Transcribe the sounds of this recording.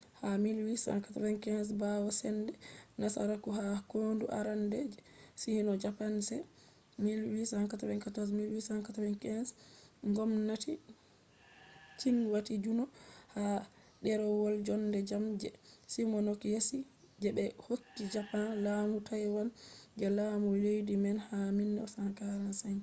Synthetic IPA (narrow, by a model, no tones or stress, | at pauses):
hamilwisa̰ŋkatawɛnkɛnsbawɔsɛndɛnasa̰ɾakuɦakoːnduʔa̰ɾandɛd͡ʒɛsihinɔd͡ʒapansɛ | milwisaŋkatawɛnkatɔs̬milwishaŋkatawɛnkɛnsŋɡɔmnati | t͡ʃinwatid͡ʒunɔha | ɗɛɾɔwɔld͡ʒɔndɛd͡ʒamd͡ʒɛsimɔnɔkjesi | d͡ʒɛbɛhokːid͡ʒapanlaːmutʰajwand͡ʒɛlamulejdimɛnhaminːɛsaŋkaɾansaj